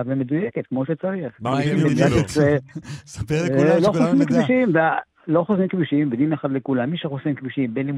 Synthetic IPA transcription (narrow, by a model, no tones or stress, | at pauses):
vemed̪ujeket̪̚kmo̞ʃet͡saʁiχkduʃimbeatese | eloxosimkbuʃimve | lo̞χosimkbuʃimbed̪imeχad̪lekulamːiʃeχosimkbuʃimbenlim